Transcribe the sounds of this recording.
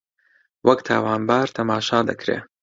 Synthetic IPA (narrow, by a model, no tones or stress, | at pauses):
wʔɐkt̪ʰa̰ːwaːnbaːɾt̪ʰɐmaːʃaːd̪ɐkɾḛː